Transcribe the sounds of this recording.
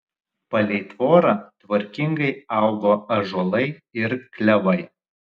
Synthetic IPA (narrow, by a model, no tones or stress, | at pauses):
pɐlʲɛɪt̪ʋoːɾɑːt̪ʋɐɾʲkʲɪŋɡɐɪɑˑʊɡoːɐʒolˠɐɪɪɾklʲɛʋɐɪ